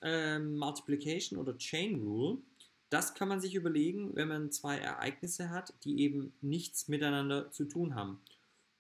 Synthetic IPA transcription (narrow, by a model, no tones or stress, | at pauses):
ʔɛmːalti̥plikʰɛɪʃn̩ʔo̰ːdɐt͡ʃeɪnʁuːl | d̥askʰanmanzɪçʔyːbɐleːɡŋ̩vɛ̰nmant͡sv̥aɪʔɛ̰ɐʔa̰ɪɡnɪsəɦatd̥iːʔeːbm̩nɪçt͡smɪtaɪnandɐt͡sutʰuːnɦa̰ːbm̩